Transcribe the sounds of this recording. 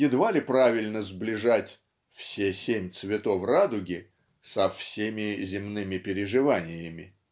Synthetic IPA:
jɪd̪valʲɪpɾavʲɪlʲnəzblʲɪʐatʲ | fsʲesʲemʲt̪svʲɪt̪ofrad̪ʊɡʲɪ | sɐfsʲemʲɪzʲɪmnɨmʲɪpʲɪɾʲɪʐɨvanʲɪjəmʲɪ̰

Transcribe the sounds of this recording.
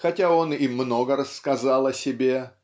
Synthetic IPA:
xɐtʲao̞nimno̞ɡəɾəsːkɐzɑlˠɐsʲɪbʲe̞

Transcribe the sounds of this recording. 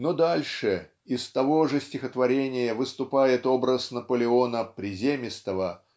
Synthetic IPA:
nod̪alʲʂɨ | ɪst̪ɐvo̞ʐɨsʲtʲɪxət̪vɐɾʲenʲɪjəvɨst̪ʊpajɪt̪o̞bɾəsnəpəlʲɪonəpɾʲɪzʲemʲɪst̪əvə

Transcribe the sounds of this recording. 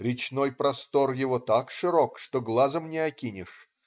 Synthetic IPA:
ɾʲɪt͡ɕnojpɾɐst̪o̞rjɪvot̪akʂɨɾokʂt̪oɡlˠazəmnʲɪɐkʲinʲɪʂ

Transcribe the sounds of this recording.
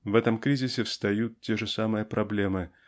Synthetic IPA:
vɛt̪əmkɾʲizʲɪsʲɪfst̪ɐjut̪̚tʲeʐɨsamɨjəpɾʔɐblʲemɨ

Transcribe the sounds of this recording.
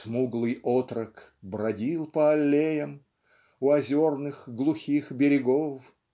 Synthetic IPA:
smuɡlˠɨjot̪ɾəkbɾɐdʲilˠpəɐlʲːejəm | ʊɐzʲornɨxɡlˠʊxʲixbʲɪɾʲɪɡof

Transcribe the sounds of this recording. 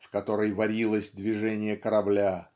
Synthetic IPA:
fkɐt̪o̞ɾəjvɐɾʲilˠəsʲd̪vʲɪʐɛnʲɪjəkəɾɐblʲa

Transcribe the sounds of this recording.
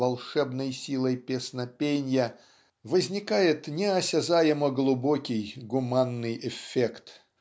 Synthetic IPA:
ɐlˠʂɛbnəjsʲilˠəjpʲesnɐpʲenʲjɐ | vəzʲnʲikajɪt̪nʲɛɐsʲazajɪməɡlˠʊbɔkʲɪjɡʊmanːɨjɛfʲːekt̪

